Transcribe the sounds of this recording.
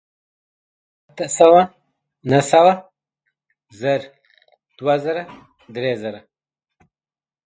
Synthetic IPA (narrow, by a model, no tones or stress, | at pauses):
at̪əsawa | nasawa | zəɾ | d̪̥wazəɾa | d̪ɾeːzəɾa